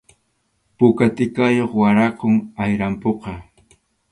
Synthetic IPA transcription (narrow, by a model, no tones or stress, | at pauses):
pʊkat̪ɪkajoχwaɾɑqoŋajɾampoqɑ